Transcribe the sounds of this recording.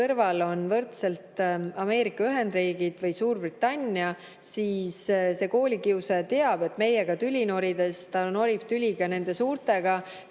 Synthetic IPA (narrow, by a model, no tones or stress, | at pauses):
ɤrvɑlo̞nvɤrt̪se̞lt̪ɑme̞ːɾikːˑɑyɦe̞nd̪riːɡid̪̥vɤjsuːrb̥rit̪ːˑɑnʲːiɑ | siːsse̞ːko̞ːlʲikiuset̪e̞ɑb̥e̞t̪ːˑme̞je̞ɡ̥ɑt̪ylʲino̞ɾid̪e̞st̪ɑno̞ɾip̚t̪ylʲiɡ̥ɑne̞nd̪̥e̞suːrt̪ˑe̞ɡ̥ɑ